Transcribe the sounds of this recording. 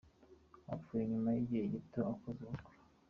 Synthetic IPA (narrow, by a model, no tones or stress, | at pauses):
a̰fujeɲumajiɟiheɟitoakozuβukoɾa